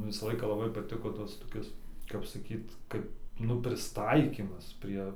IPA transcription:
ˈʋʲɪsɐ ˈlˠɐɪkɐ lˠɐˈbɐɪ pɐˈtʲɪkoː ˈtɐs toːˈkʲɪs kɐp sɐˈkʲiːt ˈkɐp ˈnʊ pʲrʲɪsˈtɐɪkʲiːmɐs ˈpʲrʲiɛ

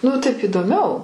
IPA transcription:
nʊ ˈtɐɪp iːdoːˈmʲɛʊ

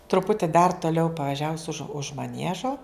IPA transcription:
trʊˈpʊtʲɪ dɐr toːˈlʲɛʊ pɐʋɐˈʒʲæːʋʊs ʊʃ ʊʃ mɐˈnʲiɛʒoː

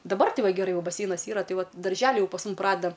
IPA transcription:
dɐˈbɐr ˈtʲɪ ˈʋɐ ɡʲɛˈrɐɪ ˈjɛʊ bɐˈsʲɛɪnɐs ˈiːrɐ ˈtɐɪ ˈʋɐt dɐrʲˈʒʲæːlʲɪ ˈjɛʊ pɐs ˈmʊm ˈprɑːdʲɛdɐ

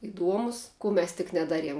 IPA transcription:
ɪˈduɔmʊs ˈkuː mʲɛs tʲɪk nʲɛˈdɑːˌrʲiɛm

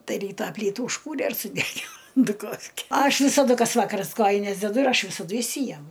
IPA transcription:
ˈtɐɪ ˈrʲiːtɑː ˈpʲlʲiːtuː ʊʃˈkuːrʲɛ ɪr sʊˈdʲæːɡʲɪnoː dʊˈkoːfʲkʲɛ ˈɐʃ ʋʲɪsɐˈdʊ ˈkɐs ˈʋɑːkɐrɐs ˈkoːjɪnʲɛs dʲɛˈdʊ ɪr ˈɐʃ ʋʲɪsɐˈdʊ ɪʃʲˈsʲiːjɛmʊ

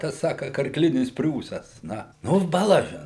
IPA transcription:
ˈtɐs ˈsɑːkɐ kɐrkˈlʲɪnʲɪs ˈpʲrʲuːsɐs ˈnɐ ˈnʊ bɐˈlˠɑːʒʲɪn

